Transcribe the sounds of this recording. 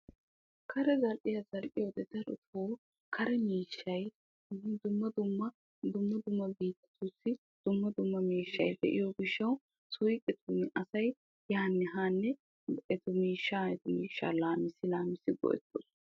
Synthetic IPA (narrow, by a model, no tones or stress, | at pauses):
kʰɐɾɛzɐlʔɪjɐzɐlʔɪjod̪ɛd̪ɐɾʊ̰t̪oː | kʰɐɾɛmiːʃːɐj | d̪ʊmːɐd̪ʊmːɐ | d̪ʊmːɐd̪ʊmːɐbiːt̪ːɪ̥t̪ʊsːɪ | d̪̥ʊmːɐd̪ʊmːɐmiːʃːɐjd̪ɛʔɪ̰joɡɪʃːɐw | sʊjkʼɛt̪ʰumɪʔɐsɐj | jaːnːɛɦaːnːɛ | ʔɛt̪ʊmiːʃːaːɛt̪ʊmiːʃːa̰ːlaːmɪsɪlaːmɪsɪɡɔ̰ʔɛ̰t̪ːʊs